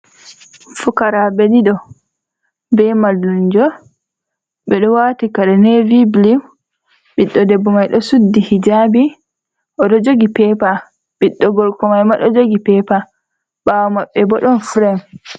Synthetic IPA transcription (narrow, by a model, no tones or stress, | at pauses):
fukaɾabediɗɔ | bɛmalːuɲd͡ʒɔ | ɓɛɗɔwatikaɗɛnɛviblim | ɓiɗːɔdɛbːɔmajɗɔsudːihid͡ʒabi | ʔɔɗɔd͡ʒoɡipɛpa | ɓiɗːɔɡɔlkɔmajmaɗɔd͡ʒoɡipɛpa | ɓawɔmaɓːɛbɔɗɔnfɾɛm